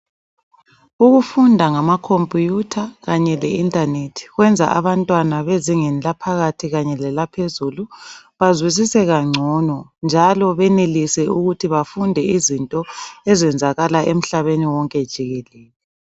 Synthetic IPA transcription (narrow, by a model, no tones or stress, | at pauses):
uɣufundʱaŋamakʰompʼujutʰaɣaɲɛlɛintʼanetʰi̥ɣwɛnd͡zʱa̰ʔaβantʼwanaβeziŋɛnlapʰaɣatʰiɣaɲɛlɛlapʰezuluβazwis̬isɛɣaŋ͡ǀʱɔnɔnd͡ʒʱalɔβɛnelisɛuɣutʰiβafundʱɛizintʼɔɛzɛnd͡zʱaɣalaʔem̩ɬaβeniwɔŋkʼɛd̥ʒ̥ʱiɣɛlɛːlɛ